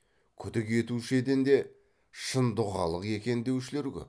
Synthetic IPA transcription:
kʲʰʏd̪ɪke̞t̪uʃe̞d̪ɪnd̪e̞ | ʃənd̪ʊʁɑ̰lˠəqe̞kʲe̞nd̪e̞wʃɪle̞ɾkʲʏ̰p

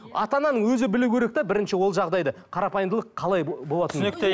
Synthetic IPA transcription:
ɑ̰t̪ɑnɑnəɴwɵzɪbɪluwkʲʰeɾe̞k̚t̪ɑbɪɾɪnʃɪwo̞lˠʒɑʁd̪ɑjd̪ɑqʰɑɾɑpɑjənd̪əlˠəqʰːɑlˠɑjbo̞lˠɑt̪ənek̚t̪e

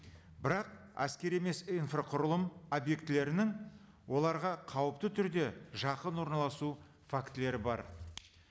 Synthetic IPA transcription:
bɪɾɑq̚ | æ̰skʲe̞ɾe̞me̞sinfroqʰʊɾəlˠəmobje̞kt̪ɪle̞ɾɪnɪŋ | wo̞lˠɑɾʁɑqʰɑwəpt̪ət̪ʰʏɾd̪e̞ʒɑqənwo̞ɾnɑlˠɑsu | fakt̪ɪle̞ɾɪbɑ̰ɾ

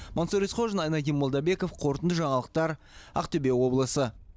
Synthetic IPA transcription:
mʔonsoɾisqʰo̞ʒənɑjnɑd̪ʲijmːolˠd̪ɑbe̞ko̞fqʰo̞ɾt̪ənd̪əʒɑɴɑlˠəq̚t̪ɑɾ | ɑ̰qt̪ʏbe̞wo̞blˠəsə

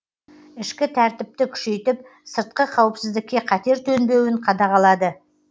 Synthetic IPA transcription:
ɪʃkʲɪt̪ʰæɾt̪ɪp̚t̪ɪkʲʰʏ̥ʃe̞jt̪ɪp̚ | səɾt̪̚qəqʰɑwəpsɪzd̪ɪk̚ʲːe̞qʰɑt̪e̞ɾt̪ʰɵnbe̞wɪɴqʰɑd̪ɑʁɑlˠɑd̪ə

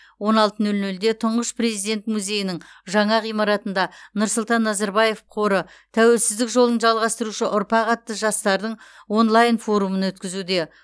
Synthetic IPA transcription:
wo̞nɑlˠt̪ənɵlnɵld̪e̞t̪ʰʊɴʁəspre̞zijd̪e̞nt̪muzʲe̞jɪnɪŋʒɑɴɑʁijmɑɾɑt̪ənd̪ɑnʊɾsʊlˠt̪ɑnːɑzɑɾbɑje̞fqʰo̞ɾə | t̪ʰæwe̞lsɪzd̪ɪkʒo̞lˠənʒɑlˠʁɑst̪əɾuʃəʔʊɾpɑqɑt̪ːəʒɑst̪ɑɾd̪əɴwo̞nlˠajnfo̞ɾumənwɵt̪kʲɪzud̪e̞

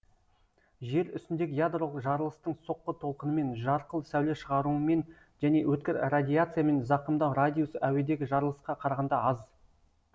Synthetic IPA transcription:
ʒe̞ɾʏ̰st̪ɪnd̪e̞ɡʲɪjad̪ro̞lˠəqʒɑɾəlˠəst̪əɴso̞qːət̪ʰo̞lˠqənəme̞nʒɑɾqəlˠsæwle̞ʃəʁɑɾuəme̞n | ʒæne̞wɵt̪̚kʲɪɾradʲijat̪sɨjame̞nzɑqəmd̪ɑwɾadʲijusæwe̞d̪e̞ɡʲɪʒɑɾəlˠəsqɑqʰɑɾɑʁɑnd̪ɑɑz

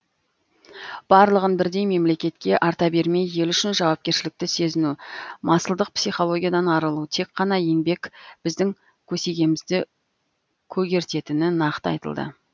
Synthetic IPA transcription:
b̥ɑɾlˠəʁənbɪɾd̪e̞jme̞mle̞kʲe̞t̪kʲe̞ʔɑɾt̪ɑbe̞ɾme̞jːe̞lʏʃɪnʒɑwɑp̚kʲe̞ɾʃɪlɪk̚t̪ɪse̞zɪnumɑsəlˠd̪əq̚psijχo̞lˠo̞ɡʲijad̪ɑnɑɾəlˠut̪ʰe̞kqːɑnɑje̞ŋbe̞kʲb̥ɪzd̪ɪŋ | kʲʰɵse̞ɡʲe̞mɪzd̪ɪ | kʲʰɵɡʲe̞ɾt̪e̞t̪ɪnɪnɑqt̪əɑ̰jt̪ə̰lˠd̪ə̰

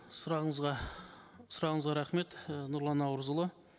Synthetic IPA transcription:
sʊɾɑʁəɴəzʁɑ | sʊɾɑʁəɴəzʁɑɾæχme̞t̪nʊɾlˠɑnɑwəɾzəlˠə

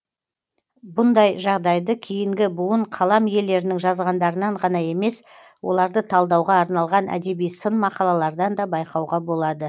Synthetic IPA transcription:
bʊnd̪ɑjʒɑʁd̪ɑjd̪əkʲʰejɪŋɡʲɪbuwəɴqʰɑlˠɑmje̞ld̪e̞ɾɪnɪŋʒɑzʁɑnd̪ɑɾənɑɴʁɑnɑje̞me̞s | wo̞̰lˠɑɾd̪ət̪ʰɑlˠd̪ɑwʁɑːɾnɑlˠʁɑnʔæ̰d̪e̞bijsənmɑqɑlˠɑlˠɑɾd̪ɑnd̪ɑbɑjqɑwʁɑbo̞lˠɑd̪ə

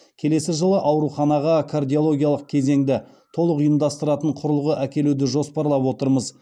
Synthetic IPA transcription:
kʲʰe̞le̞sɪʒəlˠəʔɑwɾuχɑnɑʁɑkʰard̪ʲijo̞lˠo̞ɡʲijɑlˠəq̚kʲʰe̞ze̞ŋd̪ɪ | t̪ʰo̞lˠəqʊjəmd̪ɑst̪əɾɑt̪əɴqʰʊɾəlˠʁəʔækʲe̞lud̪ɪʒo̞spɑɾlˠɑpwo̞t̪əɾməz

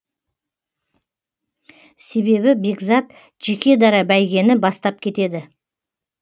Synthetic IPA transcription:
se̞be̞bɪbe̞ɡzat̪ | ʒekʲe̞d̪ɑɾɑbæjɡʲe̞nɪbɑst̪ɑp̚kʲʰe̞t̪e̞d̪ɪ

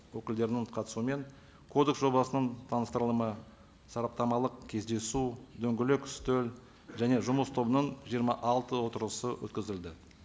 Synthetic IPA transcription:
wɵkʲɪld̪e̞ɾɪnɪɴqʰɑt̪ə̥suəme̞ŋ | kʰo̞d̪e̞ksʒo̞bɑsənəɴt̪ʰɑnəst̪əɾəlˠəmə | sɑɾɑp̚t̪ɑmɑlˠəqkʲʰe̞zd̪e̞sud̪ɵŋɡʲɪlekʏ̥st̪ɵl | ʒæne̞ʒʊməst̪ʰo̞bənəɴʒijəɾmɑʔɑlˠt̪əwo̞t̪əɾlˠəsəwʔɵ̰t̪kʲɪzɪld̪ɪ

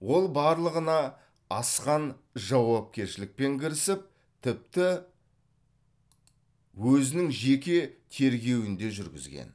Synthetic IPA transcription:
wo̞lˠbɑɾlˠəʁənɑ | ɑsqɑnʒɑwɑp̚kʲe̞ɾʃɪlɪk̚pe̞ŋkʲʰɪɾɪsɪp̚ | t̪ʰɪp̚t̪ɪ | wɵzɪnɪŋʒe̞kʲet̪ʰe̞ɾɡʲe̞wɪnd̪e̞ʒʏɾɡʲɪ̰zɡʲḛn

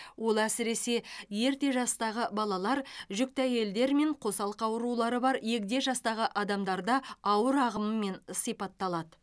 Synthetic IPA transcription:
wo̞lˠæsɪɾe̞se̞je̞ɾt̪e̞ʒɑst̪ɑʁəbɑlˠɑlˠɑɾʒʏk̚t̪æje̞ld̪e̞ɾme̞ɴqʰo̞sɑlˠəqɑwəɾulˠɑɾəbɑɾje̞kʲd̪e̞ʒɑst̪ɑʁəʔɑd̪ɑmd̪ɑɾd̪ɑɑwəɾɑʁəməmːe̞nsijpɑt̪ːɑlˠɑd̪ə

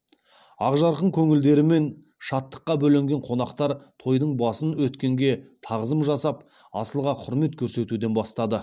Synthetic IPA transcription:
ɑ̰ʁʒɑɾqəɴkʲʰɵŋɪld̪e̞ɾɪme̞n | ʃɑt̪ːə̥qːɑbɵleŋɡʲe̞ɴqʰo̞nɑqt̪ɑɾt̪ʰo̞jd̪əɴbɑsənwɵt̪kʲe̞ŋɡʲe̞t̪ʰɑʁəzəmʒɑsɑp | ɑ̰səlˠʁɑqʰʊɾme̞t̪kʲʰɵɾse̞t̪ud̪e̞nbɑst̪ɑd̪ə

